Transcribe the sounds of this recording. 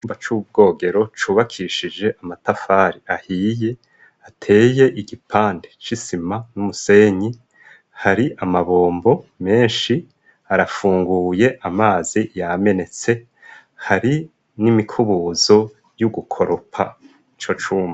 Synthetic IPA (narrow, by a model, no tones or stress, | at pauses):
uːmbat͡ʃub̚ɡo̞ːɡe̞ɾo̞t͡ʃuːβakʰiʃid͡ʒe̞ʔamatafaːɾiahiːje̞ | atʰe̞ːje̞ʔiɡipʰaːndet͡ʃisimanumuse̞ːɲi | haɾiʔamaβo̞ːmbo̞me̞ːnʃi | haɾafuːŋɡuːje̞ʔamaːzijame̞ne̞t͡se̞ | haɾi | nimikʰuβuzo̞ | juɡukʰo̞ɾopʰa | it͡ʃo̞t͡ʃuːmba